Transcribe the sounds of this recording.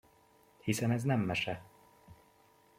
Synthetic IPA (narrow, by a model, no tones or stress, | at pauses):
hisɛnɛznɛmːɛʃɛ